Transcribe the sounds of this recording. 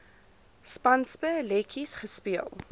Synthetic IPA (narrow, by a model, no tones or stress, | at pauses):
spɐnspəlɛkʰisχəspiəlˠ